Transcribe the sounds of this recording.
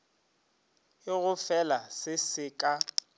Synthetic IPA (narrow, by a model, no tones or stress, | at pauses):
ɪɣʊfɛlasɪsɪkʼa